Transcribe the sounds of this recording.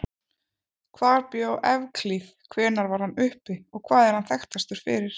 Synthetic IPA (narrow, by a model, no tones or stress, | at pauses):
kʰvaːɾpjowʔɛvkʰliθkʰvɛːnaɾvaɾ̥hanːʏhpɪɔɣkʰvaːðɛɾ̥hanθɛxt̪ast̪ʏɾ̥fɪ̰ɾɪɾ̥